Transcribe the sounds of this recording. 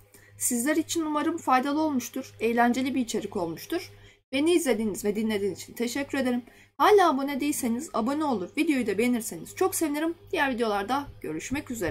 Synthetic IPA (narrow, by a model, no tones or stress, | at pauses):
sizlʲæɾit͡ʃʰinumaɾɯmfajd̪alˠɯo̞lˠmuʃt̪ʰuɾ̥e̞jlʲænd͡ʒe̞lʲibiːt͡ʃʰe̞ɾico̞lˠmuʃt̪uɾ̥ | be̞niːzlʲe̞d̪iːnizvɛd̪inlʲe̞d̪iːnit͡ʃʰi̥nt̪ʰe̞ʃɛcʰːyɾe̞d̪eɾim | haːlʲaːbonɛd̪ejilʲse̞niza̰bo̞nɛo̞lˠuɾvid̪ejo̞jd̪ɛbeniɾse̞niz̥t͡ʃʰo̞kse̞vineɾimdd̥̪ijæɾvid̪ejo̞lˠaɾd̪aɟ̥ø̞̰ɾyʃmɛcyze̞ɾɛ